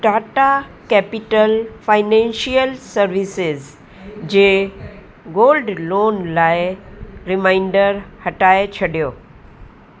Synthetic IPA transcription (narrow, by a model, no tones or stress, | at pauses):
ɖaːʈakɛːpɪʈəlfaɪnɛ̃nʃiəlsəɾʋisɪz | d͡ʑeː | ɡoːlɖloːnlaːɪɾɪmaɪ̃ɳɖəɾhɐʈaːet͡ɕʰɐɖijoː